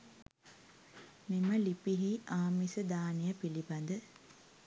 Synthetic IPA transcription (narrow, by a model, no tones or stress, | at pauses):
miməlipiɦiʔaːmisəd̪aːnijəpilibɐnd̪ə